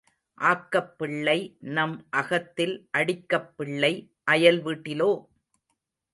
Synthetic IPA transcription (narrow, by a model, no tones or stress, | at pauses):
ʔaːkːɐpːɪɭːɐɪnɐmʔɐɣɐt̪ːɪlʔɐɽɪkːɐpːɪɭːɐɪ | ʔɐjɐlʋiːʈːɪloː